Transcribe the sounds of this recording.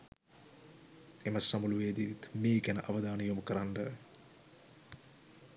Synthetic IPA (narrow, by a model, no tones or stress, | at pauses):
emɐsːamuluʋeːd̪iit̪meːkænə̰ʔaʋəd̪aːnəjoməkəɾaɳɖə